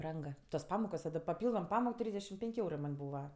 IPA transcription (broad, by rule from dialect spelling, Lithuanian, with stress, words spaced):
ˈbrɐŋk toːs ˈpɑːmoːkoːs oː ˈdɐ pɐˈpʲiːlˠdoːm ˈpɑːmoːk ˈtʲrʲiːzʲdʲɛʃʲɪm ˈpʲɛŋʲkʲ ˈɛʊrɜ mɐnʲ ˈbuːʋɐ